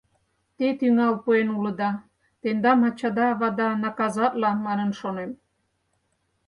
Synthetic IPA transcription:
t̪et̪yŋɑwpoenulə̆d̪ɑ | t̪end̪ɑmɑt͡ɕɑd̪ɑːβɑd̪ɑnɑkɑzɑt̪lɑmɑnə̆nʃonem

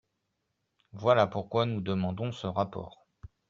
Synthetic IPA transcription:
vwalapuʁkwanud̪əmɑ̃d̪ɔ̃səʁapɔ̰ːʁ

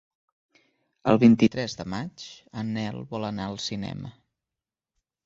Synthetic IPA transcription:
əlˠβint̪it̪ɾɛzðəmat͡ʃənɛlˠβɔlənaəlˠsinɛ̰mə

